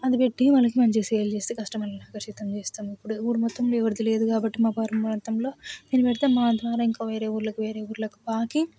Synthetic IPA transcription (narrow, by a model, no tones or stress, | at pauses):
ɐd̪ipeʈːimɐlɐkimɐɲt͡ʃeseːlt͡ʃeːst̪eːkɐsʈɐmɐlːɐnaːkɐʂit̪ɐmt͡ʃeːst̪aːmuipːuɽuuːɾumɔt̪ːɐmloːɛʋɐɾd̪ile̞ːd̪ukaːbɐʈːimaːpaːɾɐmmuɾɐnt̪ɐmlo̞ːd̪eːnipɛʈit̪eːmaːnd̪ʋaːɾaːiŋkaːʋe̞ːɾe̞ːuːɾlɐkuʋe̞ːɾeːuːɾlɐku̥paːkiŋ